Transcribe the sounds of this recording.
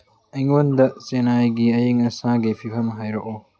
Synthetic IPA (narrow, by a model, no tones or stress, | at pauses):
ɐjŋondɐsenajɡiɐjiŋɐsaɡipʰipʰɐmɦajɾoko